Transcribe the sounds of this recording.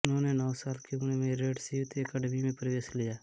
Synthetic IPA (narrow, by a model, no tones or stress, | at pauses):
ʊnɦõːnenɔːsaːlkeʊnemẽɾeːɖsiːʋt̪iəkaɖəmimẽpɾəʋeːslɪjaː